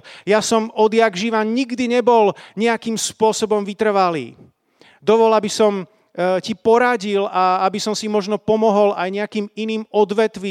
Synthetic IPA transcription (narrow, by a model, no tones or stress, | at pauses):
jasɔmɔd̪jaɡʒiʋaɲiɡd̪iɲɛbɔlɲɛakiːmspʊɔsɔbɔmʋit̪r̩ʋalḭː | d̪ɔʋɔlabisɔm | cipɔɾaɟilaabisɔmsimɔʒnɔpɔmɔɦɔlajɲɛakiːminiːmɔd̪ʋɛt̪ʋi